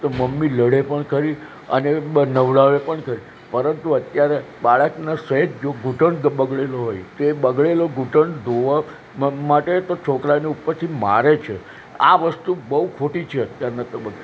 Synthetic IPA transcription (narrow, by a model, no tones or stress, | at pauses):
t̪oməmːiləɽepəɳkʰəɾi | ə̰nenəʋlaʋepəɳkʰəɾi | pəɾənt̪uət̪jaɾebaɭəknaseɦed͡ʒ̪d͡ʒoɡʱuʈəɳɡbəɡɭeloɦojt̪oebəɡɭeloɡʱuʈəɳd̪ʱoʋa | maʈet̪ot͡ʃʰokɾaneupəɾt̪ʰimaɾet͡ʃʰe | a̰ʋəst̪ubəukʰoʈit͡ʃʰeət̪jaɾnat̪əbəkː